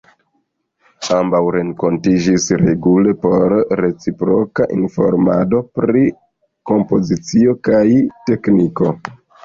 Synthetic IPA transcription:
ambawɾe̞nko̞ntid͡ʒisɾe̞ɡule̞po̞ɾːe̞t͡sipɾo̞kaʔinfo̞̰ɾma̰do̞pɾi | ko̞mpo̞zit͡sio̞kajte̞kniko̞

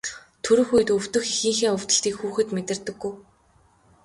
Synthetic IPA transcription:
t̪ʰɵɾɵ̆xujɘ̆t̪ɵw̥t̪ɵ̆xixĭːŋxeːɵw̥ʲt̪ɵ̆ə̆ɬt̪iːkxuːxɘ̆t̪met̪ɪ̆rt̪ɘ̆ɡːuj

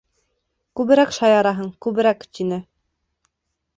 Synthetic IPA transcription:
kʉβɘ̆ɾækʃɑjɑɾɑɦɤɴkʉβɘ̆ɾækt̪ʲinɘ

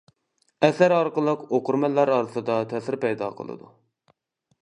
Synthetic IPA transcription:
ɛsæɾɑɾqəlˠəqoqʊɾmɛlːɑɾɑːɾɨsɨd̪ɑt̪ʰɛsɪɾpɛjd̪ɑ̰qʰə̰lˠɨ̰d̪ṵ

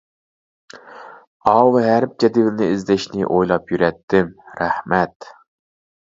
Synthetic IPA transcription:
ɑwɦæɾp̚d͡ʒɛd̪ɪvlnɪizd̪ɛʃnɪʔojlˠɑpjyɾɛt̪ʰːɪmɾæhmɛt̪

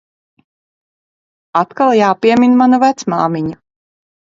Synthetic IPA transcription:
at̪kalˠjaːpiɛmʲinmanuvæt̪smaːmiɲu

